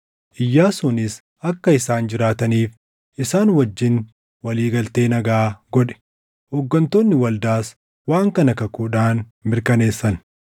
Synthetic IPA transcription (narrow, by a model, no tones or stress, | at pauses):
ʔɪjːaːsunɪs | ʔɐkːɐɪsaːnd͡ʒɪɾaːt̪ɐniːf | ʔɪsaːnwɐd͡ʒːɪn | wɐliːɡɐlt̪e̞ːnɐɡaːɡɔᶑɛ̥ | hɔɡːɐnt̪oːnːɪwɐld̪aːs | waːŋkɐnɐkɐkuːᶑaːn | mɪɾkɐne̞ːsːɐn